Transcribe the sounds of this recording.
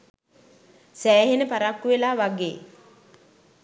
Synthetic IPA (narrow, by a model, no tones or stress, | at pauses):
sæːɦenəpaɾakːuʋelaːʋaɡḛː